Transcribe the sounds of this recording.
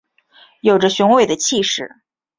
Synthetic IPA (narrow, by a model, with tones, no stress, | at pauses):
jo˨˩ʊʈ͡ʂə˦ɕu˧˥ŋwe˥˩ɪd̪ə˩t͡ɕʰi˥˧ʂɻ̩˥˩